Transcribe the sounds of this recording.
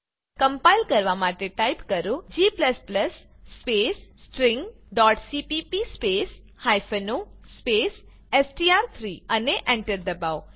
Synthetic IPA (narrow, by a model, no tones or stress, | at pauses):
kə̃mpajlkəɾʋamaʈ̪eʈajpkəɾod͡ʒipləspləsː | pesːʈɾɪ̃ŋɡ | ɖɔʈsipipispes | hajfʰənospes | esʈiaɾt̪ʰɾiəneʔẽɳʈəɾd̪əbaw